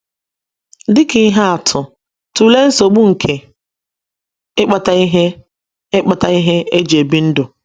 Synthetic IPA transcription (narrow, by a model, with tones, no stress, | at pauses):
dɪ˦kɪ˨˦ɦa˦a˨tʰʊ˨ | tu˨le˦n̩˦so˨ɡ͡bu˦ŋ̩˨kʰe˨ | ɪ˦k͡pa˨ta˦i˦ɦe˦ | ɪ˦k͡pa˨ta˨i˦ɦe˦e˦d͡ʒe˨bi˦n̩˦do˨